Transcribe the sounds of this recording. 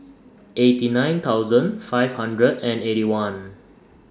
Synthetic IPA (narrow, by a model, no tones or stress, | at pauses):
ʔetinãj̃nt̪ʰawzə̃nfajvhãndɹədɛ̃neɾiwãn